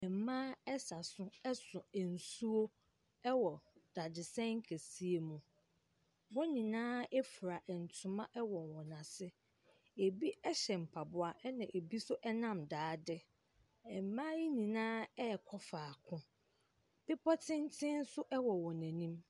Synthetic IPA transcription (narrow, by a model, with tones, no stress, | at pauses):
ɛ˨m̩˨mãː˦ɛ˦sa˨sʊ̃˦ɛ˦sʊ̃˨ɛ˨n̩˨su˦o˦ | ɛ˦wɔ˨d̥a˨dɪ˨sɛ̃˦ŋ̩˦kʰæ˨si˦e˨mũ˨ | wɔ˦nĩ˨nãː˦ɛ˦fu˨ɾa˨ʔɛ˨n̩˨tʰʊ̃˨mã˦ʔɛ˦wɔ˨nwɔ̃˨nã˨sɪ˦ | e˨bi˦ɛ˦ɕɛ˨m̩˨pʰa˨bʊ˦a˨ʔɛ˦nã˨ʔe˨bi˦sʊ˦ʔɛ˦nã˦mdaː˨˦dɪ˦ | ɛ˨m˨mã˦ji˦nĩ˨nãː˦ɛ˦˨kʰɔ˦faː˨kʰʊ̃˦ | b̥ɪ˦pʰɔ˦tʰɪ̃˦n˦tʰɪ̃˦n̩˦sʊ˦ʔɛ˦wɔ˨wɔ̃˨næ̃˨nĩ˦m